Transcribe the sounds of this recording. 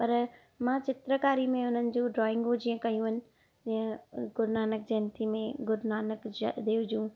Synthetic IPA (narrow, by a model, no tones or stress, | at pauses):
pɐɾ | mãːt͡ɕɪt̪ɾəkaːɾimẽʊn̤ənɪ̆d͡ʑũːɖɾɔːɪ̃ŋɡõd͡ʑiːə̃kɐjũənɪ̆ | d͡ʑiə̃ɡʊɾnaːnəkd͡ʑɐnt̪ʰimẽɡʊɾnaːnəkd͡ʑd̪eːʋʊd͡ʑũː